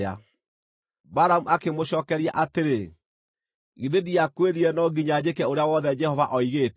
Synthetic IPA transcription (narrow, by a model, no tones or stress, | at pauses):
a̰ | baɾamuakemoɕɔːkɛɾia̰ʔateɾe | ɣiðediakweðiɾɛnɔɡiɲad͡ʑekɛoɾeawɔðɛd͡ʒɛhɔvaʔɔiɣeːt